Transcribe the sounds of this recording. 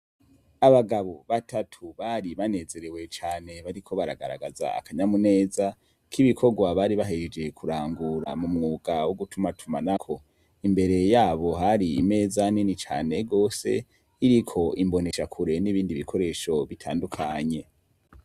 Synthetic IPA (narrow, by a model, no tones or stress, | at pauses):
aβaɡaβo̞βatʰatʰuβaːɾiβane̞ːze̞ɾewe̞t͡ʃaːne̞βaɾikʰo̞βaɾa̰ɡa̰ɾa̰ɡaza̰a̰kʰaɲamune̞ːza | kiβikʰo̞ɡwaβaːɾiβaɦeed͡ʒe̞kʰuɾaːŋɡuɾamumŋuːɡawoɡutʰumatʰumanakʰo̞ | imbe̞ɾe̞jaːβo̞ɦaɾḭːme̞ːzanenit͡ʃa̰ːne̞ɡo̞ːsḛ | iɾikʰo̞imbo̞ne̞ʃakʰuɾe̞niβiːndiβikʰo̞ɾe̞ːʃo̞βitʰaːndukʰaɲe̞